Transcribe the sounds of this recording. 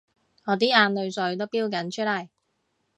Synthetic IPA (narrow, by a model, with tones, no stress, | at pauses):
ŋɔː˨˧t̪iː˥aː˧nlɵ˨˧ɥsɵ˨˧ɥt̪o˥wpiː˥wkɐ˨˥nt͡ʃʰɵ˥t̚lɐ˨˩j